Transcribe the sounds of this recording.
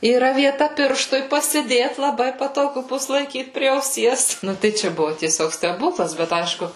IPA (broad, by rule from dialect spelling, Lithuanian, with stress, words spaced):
iːˈrɐ ʋʲiɛˈtɐ ˈpʲɪrʃtʊɪ pɐsʲɪˈdʲeːt lˠɐˈbɐɪ pɐtoːˈɡʊ ˈbʊs lˠɐɪˈkʲiːt pʲrʲiɛ ɐʊˈsʲiɛs ˈnʊ tɐɪ ˈt͡ʃʲɛ ˈbʊʋʊ tʲiɛˈsʲoːk sʲtʲɛˈbuːklˠɐs bʲɛt ˈɐɪʃkʊ